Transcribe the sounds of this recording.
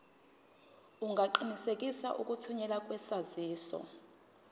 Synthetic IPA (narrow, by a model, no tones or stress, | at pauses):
uŋɡʱaǃinisekʼisa̰ʔukʼutʰuɲɛlakʼwɛsaziːsɔ̰